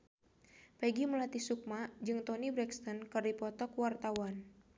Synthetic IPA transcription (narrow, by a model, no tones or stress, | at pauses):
pɛɡiməlat̪isuk̚mad͡ʒɨŋt̪ɔnibɾɛkst̪ɔnkɨrdipɔt̪ɔkwart̪awan